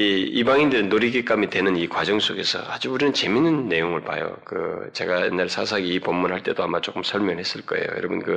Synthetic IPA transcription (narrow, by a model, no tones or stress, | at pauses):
iibaŋindɯɾɯnːoɾiɡek͈amidwe̞nɯnikwad͡ʑʌŋs͈oɡe̞sʰʌ̰ad͡ʑuuɾinɯnt͡ɕe̞minːɯnːe̞joŋɯɭpa̰jo̰kɯ̰t͡ɕe̞ɡajenːaɭsʰasʰaɡiːpʌmːunɦaɭt͈e̞doamat͡ɕ͈ok͈ɯmsʰʌɭmjʌŋɭhe̞s͈ɯɭk͈ʌe̞̰jo̰jʌ̰ɾʌbɯnkɯ